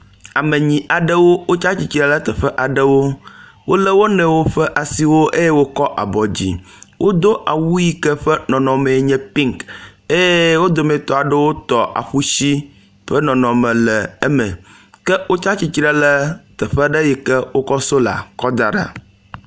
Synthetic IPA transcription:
a˨mẽ˨ɲĩ˨ʔa˨ɖə˦wo˦wo˦t͡ʃa˦t͡ɕi˨t͡ɕi˨ɾə˦lə˦t̪ə˨ɸɛ˦ʔa˨ɖə˦wo˦ | wo˦lə˦wo˦nɛ̃˨wo˦ɸə˦ʔa˨si˦wo˦ʔe˦je˦wo˦kɔ˦ʔa˨bɔ˨d͡ʑḭ˨ | wʔo˦d̪o˦ʔa˨wu˦ji˦kə˦ɸɛ˦nɔ̃˨nɔ̃˨mẽ˨˦ɲɛ̃˦pi˦ŋke˦je˦wo˦d̪o˨mẽ˨t̪ɔ˨a˨ɖə˦wo˦t̪ɔ˨ʔa̰˨ɸu˦si˦ | ɸə˦nɔ̃˨nɔ̃˨mɛ̃˨lɛ˨e˦mɛ̃˨ | kɛ˦wo˦t͡ʃa˦t͡ɕi˦t͡ɕi˦ɾə˦lə˦t̪ə˨ɸɛ˦ɖə˦ji˨kɛ˦wo˦kɔ˦so˦la̰˨kɔ˦d̪a˨ɖa̰˨

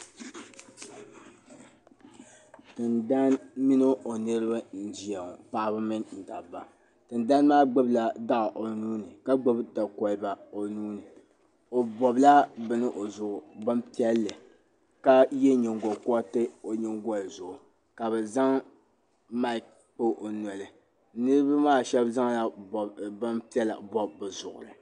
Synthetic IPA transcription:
tɨ˨nda˦nmi˦nɨ˦o˨nɨ˦ɾɨ˦ba˦n̩˦di˨a˨pa˦bɨ˦mɨ˦ŋn̩˨da˨ba˨ | tɨ˨nda˦n˦maː˦ɡ͡bo˦bla˨da˦ʔʔo˨nuː˦nɨ˨ka˦ɡ͡bo˦bta˨kɔ˨lba˨o˨nuː˦nɨ˨ | o˨bɔ˨bla˦bɨ˨nɨ˦ʔo˨zʊ˨ʔʊ˨bɨ˦mpi˦ɛ˦lːɨ˨ | ka˦jɛ˦ɲɛ˨ŋɡɔ˨ka˦tɨ˦o˨ɲɛ˦ŋɡɔ˦lzʊ˨ʔʊ˨ | ka˨bɛ˨za˦ŋ | ma˦˨k̚ | k͡pɨ˦ʔo˨nɔ˨lɨ˨ | nɨ˦ɾɨ˦ba˦maː˦˨ʃɛ˦bza˦ŋla˨bɔ˨bbɨ˦mpi˦ɛ˦la̰˨bɔ˦bbɨ˨zʊ˨ʔʊ̰˨ɾɨ˨

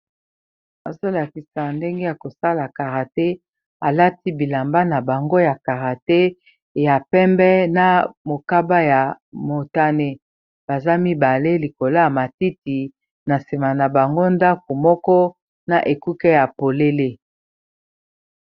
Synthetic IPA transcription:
a˨zo˦la˨ki˨sa˨nde˦ŋɡe˦ja˨ko˨sa˦la˨ka˨ʁa˨te˦ | a˨la˦ti˦bi˨la˨mba˦na˨ba˨ŋɡo˦ja˨ka˨ʁa˨te˦˨ | ja˨pɛ˦mbɛ˦na˨mo˨ka˦ba˦ja˨mo˨ta˦ne˦ | b̥a˨za˦mi˦ba˨le˦li˨ko˨la˦ja˨ma˨ti˦ti˨ | na˨si˨ma˨na˨ba˨ŋɡo˦nda˦ko˨mɔ˦kɔ˦ | na˨ʔe˨ku˦kɛ˦ja˨po˨le˦le˦

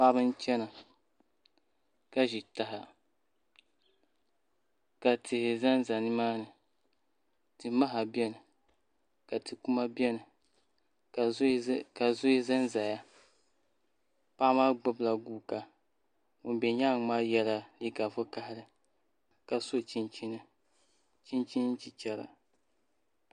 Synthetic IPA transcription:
pa˦bɨ˦n˦t͡ʃɛ˦na˨ | ka˦ʒi˨ta˨ɦa˨ | ka˨tʰɪ˨hɪ˨za˦nza˨nɨ˦maː˦nɨ˨ | tɨ˨ma˦ɦa˨bɛ˦nɨ˨ | ka˨tɨ˨ku˦ma˦bjɛ˦nɨ˨ | ka˨zʊ˦i˦za˦nza˨ja˦ | pa˦maː˦ɡ͡bʊ˦bla˨ɡuː˦˨ka˨ | ŋʊ˨nbɛ˨ɲa˦˨ŋ˦maː˦jɛ˦la˨li˦ka˨vʊ˦ka˦hɪ˦ɾɨ˦ | ka˨so˦˨t͡ʃi˦nt͡ʃi˦nɨ˦ | t͡ʃi˦nt͡ʃi˦nn˦t͡ʃi˨t͡ʃɛ˦ɾa̰˨

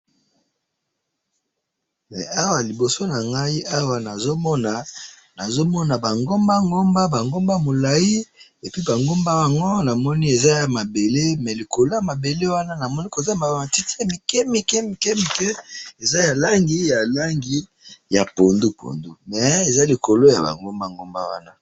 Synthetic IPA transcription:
mɛ˨a˦wa˨li˨bo˨so˦na˨ŋɡa˦i˦a˦wa˨na˨zo˦mɔ˦na˨ | na˨zo˦mɔ˦na˨ba˨ŋɡo˦mba˦ŋɡo˦mba˦ba˨ŋɡo˦mba˦mo˨la˨ji˦ | e˨pi˦ba˨ŋɡo˦mba˦ja˨ŋɡo˦na˨mɔ˦ni˦e˨za˦ja˨ma˨be˨le˦mɛ˨li˨ko˨lo˦ja˨ma˨be˨le˦wa˦na˦na˨mɔ˦ni˦ko˨za˦˨ma˨ma˨ti˦ti˦a˨mi˨kɛ˦mi˦kɛ˦mi˨kɛ˦mi˨kɛ˦e˨za˦ja˨la˦ŋɡi˦ja˨la˦ŋɡi˦ | ja˨po˨ndu˦po̰˨ndu˦mɛ˨e˨za˦li˨ko˨lo˦ja̰˨ba̰˨ŋɡo˦mba˦˨ŋɡo˦mba̰˦wa̰˦na˦

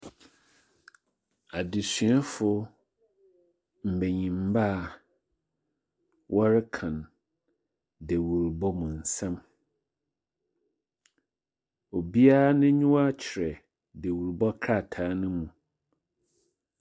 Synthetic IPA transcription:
a˨dɪ˨sɥɛ˦fʊ˨ | m̩˨be˨ɲĩ˨m˨˦ba˦˨ | wʔɔ˦ɾɪ˦kʰã˨n | de˨wu˨ɾbɔ˦mũ˨n̩˨sɛ̃˦m | o˨bi˦a˦nɪ̃˦ɲʊ̃˦wa˦t͡ɕʰɪ˨ɾɛ˨ | de˨wu˨ɾbɔ˦kʰɾa˦˨tʰaː˨˦nʊ̃˦mũ˨

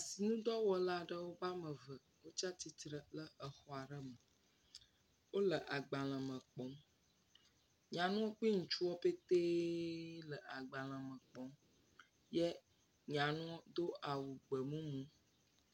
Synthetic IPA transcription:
a˨si˨nũ˦d̪ɔ˦wɔ˨la˦ɖə˦wo˦ba˦mə̃˨və˨ | wo˦t͡ʃa˦t̪i˨t̪ɾə˨lə˦ʔə˨xɔ˦a˨ɖə˦mə˨ | wo˦lə˨ʔa˨ɡ͡ba˨l̃ə̃˨mə̃˨k͡pɔ˨m | ɲã˨nũ˦ɔ˦k͡pi˦ŋũ˨t͡ʃu˦wɔ˦pe˦t̪e˦ | lə˨a˨ɡ͡ba˨l̃ə̃˨mə̃˨k͡pɔ˦m | jɛ˦ | ɲã˨nũ˦ɔ˦d̪o˦ʔa˨wu˨ɡ͡bə˨mũ˦mũ˦

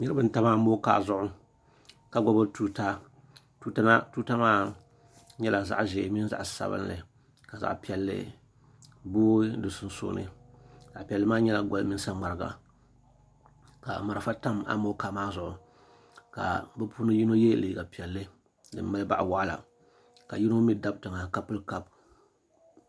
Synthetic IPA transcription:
nɨ˦ɾɨ˦bɨ˦n̩˦ta˦ma˦mo˦ka̰ː˦˨zʊ˦ʔʊ˦ | ka˨ɡɔ˦bɨ˦tuː˨ta˦ | tu˦a˦na˦tuː˦ta˦maː˦ | ɲɛ˦la˨za̰˦ʔʒe˨mi˦n˦za̰˨ʔsa̰˨bɨ̰˦nlɨ̰˨ | ka˨za̰˨ʔpi˦ɛ˨lːɨ̰˦ | boː˦dɨ˨sʊ˦n˦so̰˦nɨ̰˨za˨ʔpi˨ɛ˨lːɨ˦maː˦ɲɛ˦la˨ɡa˨lmi˦n˦sa˦ŋ͡ma˨ɾɨ˨ɡa̰˨ | ka̰˨ma˨ɾfa˦ta˦ma̰˦mo˦ka˨maː˦zʊ˨ʔʊ˨ | ka̰˨bɨ˦pʰu˦nɨ˦ji˦no˦jɛ˦lɨ˨ɡa˨pi˨ɛ˨lːɨ˦ | dɨ̰˨mː˦a˦lɨ˦ba̰˦˨ʔwa˦ʔla̰˨ | ka˨ji˦no˦mi˦da˦btɨ˨ŋa˨ka˦pːɨ˦lka˦b̚

